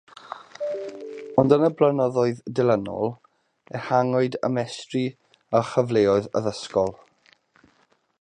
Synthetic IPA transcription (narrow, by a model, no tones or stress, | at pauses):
ɔndənəblənɔðɔɨðdɪlˠənɔ̰lˠ | ɛhaŋɔɨdə̰mɛstri | əχəvleːɔɨðə̰ðəskɔlˠ